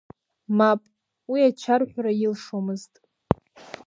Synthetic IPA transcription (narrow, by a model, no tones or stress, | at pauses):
mapʼ | wiat͡ʃʰarħʷᶣrajilʂomɨztʼ